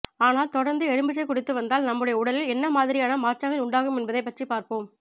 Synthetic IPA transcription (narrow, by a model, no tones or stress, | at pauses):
aːnaːlt̪ɔɽɐɾnd̪ɯɛɽɯmbɯt͡ʃːɐɪkːʊɽɪt̪ːɯʋɐnd̪aːlnɐmːɯɽɐjɐʊɽɐlɪlɛnːɐmaːðɪɾɪjaːnɐmaːʈʈːaɣɐlʊɳɖaːɣɯmɛnbɐðɐɪpːɐʈripaːɾpoːm